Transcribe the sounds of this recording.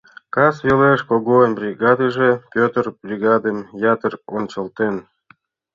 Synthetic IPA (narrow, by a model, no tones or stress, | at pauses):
kɑsjoleʃkoɣoənbrʲiɡɑd̪əʒepʲøt̪ərb̥rʲiɡɑd̪emjɑt̪əront͡ɕə̆lt̪en